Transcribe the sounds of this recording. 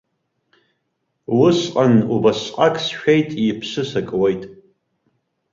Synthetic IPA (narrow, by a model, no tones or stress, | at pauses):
wʊsqʼanubasqʼakʰʼsʃᶣejtʼipʰsɨsakʼwejtʼ